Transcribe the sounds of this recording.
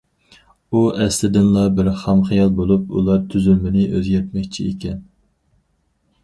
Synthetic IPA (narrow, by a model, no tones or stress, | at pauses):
uʔɛslɪd̪ɪnlˠɑbɪɾχɑmχijɑlˠbolˠupṵlˠɑɾt̪ʰyzymɪnɪʔøzjʲɛt̪̚mɛkʲt͡ʃʰiekʲɛn